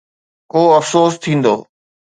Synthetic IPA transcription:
koːɐfsoːst̪ʰĩːnd̪o̰ː

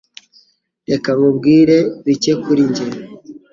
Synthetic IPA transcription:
ɾekaβubɡiːɾe̞βicekuɾiɲɟeɾ

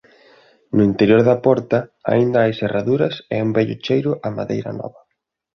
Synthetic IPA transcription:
nʊint̪eɾjoɾðɐpɔɾt̪ɐa̰ind̪aajseraðuɾɐsɛumbɛʎʊ̰t͡ʃejɾʊʔamaðḛjɾɐ̰nɔ̰βɐ

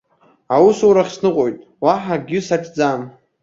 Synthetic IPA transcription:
awusuwɾaχsnɨqʼojtʼ | waħaɡʲɪsat͡ʃʰd͡zam

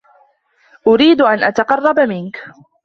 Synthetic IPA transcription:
ʔʊɾiːd̪ʔanʔat̪ɑqɑrˤːɑbmɪnk

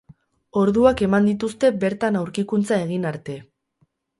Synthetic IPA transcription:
o̞ɾðuake̞mand̪it̪ust̪e̞be̞ɾt̪anawɾkikunt͡sae̞ɣinaɾt̪e̞

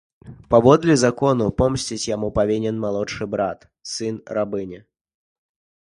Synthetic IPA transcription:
pavɔd̪lʲɛzakɔnupɔmsʲt͡sʲit͡sʲjamupavʲinʲɛnmalˠɔʂɨbɾat̪ | sɨnrabɨnʲɛ

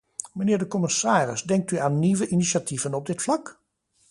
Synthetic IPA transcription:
mənɪːɹdəkɔmɪsaːrɪsdɛŋk̚tyaːnːiʋəʔiniʃativənɔb̚dɪtflɑk

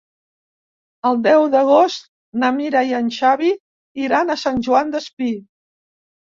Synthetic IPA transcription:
əlˠd̪ɛwðəɣost̪̚ | nəmiɾajənʲʃaβi | iɾanəsanʲʒuand̪əspi

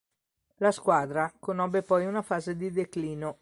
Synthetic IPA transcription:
laskwaːd̪ɾakonɔbːepɔjunafaːzed̪id̪ekliːno

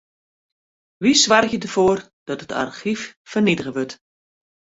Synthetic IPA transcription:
ʋisʋarxjədərv̥oːr | d̥ɔtətʰa̰rxiffərnidəɣəʋɵt

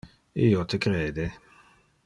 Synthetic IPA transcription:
iːot̪ʰekɾeːd̪e

